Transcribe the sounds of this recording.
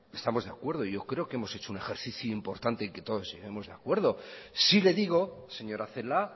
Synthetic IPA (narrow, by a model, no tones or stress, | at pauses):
e̞st̪amo̞zðeakwe̞ɾð̞oiʝo̞kɾe̞o̞keemo̞se̞t͡ʃo̞une̞xe̞ɾθiθjuimpo̞ɾt̪ant̪eŋke̞t̪o̞ðo̞zʝe̞ɣe̞mo̞zðea̰kwe̞ɾð̞o̞sile̞ðiɣ̞o̞se̞ɲo̞ɾaθe̞la